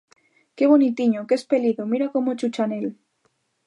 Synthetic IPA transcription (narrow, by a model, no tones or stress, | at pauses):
ke̞β̞o̞nit̪iɲokespe̞liðomiɾako̞mot͡ʃut͡ʃane̞l